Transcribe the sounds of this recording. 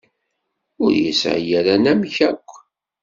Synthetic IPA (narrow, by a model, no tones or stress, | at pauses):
ʊɾjə̰sʕjæɾænæmçækʷː